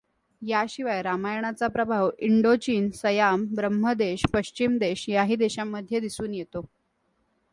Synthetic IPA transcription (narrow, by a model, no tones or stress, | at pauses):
jaɕiʋajɾamajɳ̃at͡sapɾəbʱaʋiɳɖot͡ɕiːnsəjambɾəmːəd̪eɕpəɕt͡ɕimd̪eɕjaɦiːd̪eɕamːəd̪ʱjəd̪isuːnjet̪o